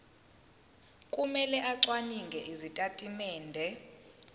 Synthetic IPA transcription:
kʼumɛlɛʔaǀwaniŋɡʱɛʔizitʼatʼimɛːndʱɛ

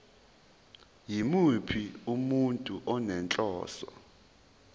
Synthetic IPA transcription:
jimupʰiumuntʼuʔɔnɛnt͡ɬʼɔ̰ːsɔ

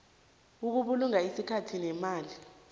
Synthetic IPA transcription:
uk̬uɓuluŋaisikʰatʰinɛmaːli

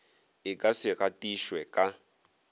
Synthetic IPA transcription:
ɪkʼasɪratʼiʃwɛkʼa

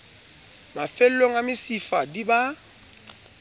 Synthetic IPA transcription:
mafelːoŋamɪsifadiba

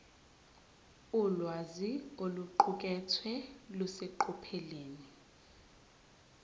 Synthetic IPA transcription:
ulwazioluǃukʼɛtʰwɛluseǃʰupʰɛleːni

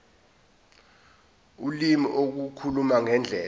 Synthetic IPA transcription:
ulimiʔok̬ukʰulumaŋɛnd͡ɮʱɛː

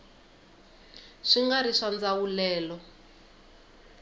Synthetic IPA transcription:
ʂiŋɡaɾiʂand͡zawulɛːlɔ

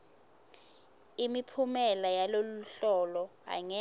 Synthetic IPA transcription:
imipʰumɛlajaloluɬɔlɔɦa̰ŋɛ

